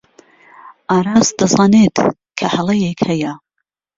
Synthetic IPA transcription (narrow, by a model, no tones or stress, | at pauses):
ʔɑːɾɑːsd̪ɐzɑːnet̪ | kʰɐhɐlˠɐjekhɐjɐ